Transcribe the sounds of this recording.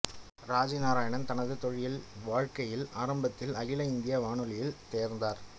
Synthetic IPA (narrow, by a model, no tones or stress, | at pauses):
ɾaːd͡ʒinaːɾaːjɐɳɐnt̪ɐnɐðɯt̪ɔɻɪjɪlʋaːɻkɐjɪlaːɾɐmbɐt̪ːɪlɐjɪlɐɪnd̪ɪjɐʋaːɳɯlɪjɪlt̪eːɾnd̪aːɾ